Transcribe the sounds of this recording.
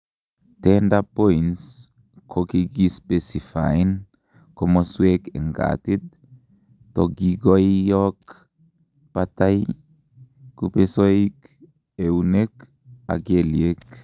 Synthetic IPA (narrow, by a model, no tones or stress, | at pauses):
tɛndapoins | kʰokiɡispesifa̰jn | kɔmoswekḛŋɡa̰t̪id̪ | toɡiɡojjɔk | pat̪aj | kupesoik | eunek | a̰ɡeliek